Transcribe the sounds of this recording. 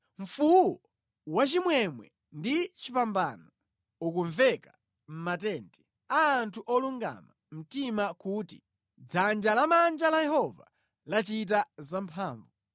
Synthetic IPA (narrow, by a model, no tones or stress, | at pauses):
ɱ̩fuwɔ | wat͡ʃimwɛmwɛ̰ | ndit͡ʃipambanɔ | ukuɱvɛka | m̩matɛntʰɛ | aːntʰuʔɔluŋɡa̰ma | m̩timakuːtḭ | d͡zand͡ʒalamand͡ʒalajɛhɔva̰ | lat͡ʃit̬azampʰaːɱvu